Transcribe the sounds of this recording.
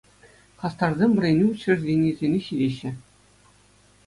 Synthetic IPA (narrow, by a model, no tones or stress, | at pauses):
χɑst̪ɑrzʲemʲʋɘ̆rʲenʲeut͡ɕːɘ̆rʲzʲenʲezʲenʲeɕidʲeɕːɘ̆